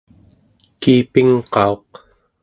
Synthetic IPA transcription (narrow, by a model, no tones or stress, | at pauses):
kiːpiŋqɑo̞q